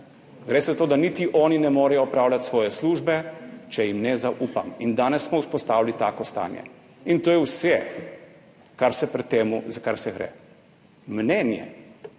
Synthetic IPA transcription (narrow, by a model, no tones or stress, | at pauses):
ɡɾeːsɛzat̪oːd̪anit̪iʔɔːninɛmɔːɾɛjɔɔpɾaːwlʲat̪sʋɔːjɛsluːʒbɛt͡ʃɛjimnɛzaʔuːpamind̪aːnɛsːmɔuspɔst̪aːwilit̪aːkɔst̪a̰ːnjɛ̰ | int̪oːjɛwsɛ | kaɾsɛpɾɛt̪ːeːmuzakaɾsɛɡɾɛ̰ː | mnɛnjɛ̰